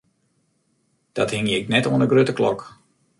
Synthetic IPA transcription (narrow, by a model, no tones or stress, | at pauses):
d̥ɔthɪŋjəɪknɛtoənəɡrøtəklɔ̰k